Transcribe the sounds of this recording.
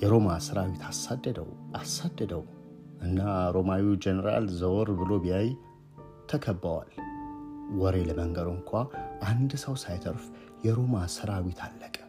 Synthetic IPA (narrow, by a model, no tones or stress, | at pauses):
jɛɾo̞masɨɾawit̪ʰasad̪ːəd̪ə̰wʔasad̪ːəd̪əw | ʔɨnːaɾo̞mawid͡ʒenəɾa̰lzəwɾbɨlo̞bijaj | t̪ʰəkʰəbːəwa̰l | wɔɾe̞ləməŋɡəɾɨŋkʷʰaʔand̪səwsajt̪ʰəɾf | jɛɾo̞masɨɾawit̪ʰalːəkʼə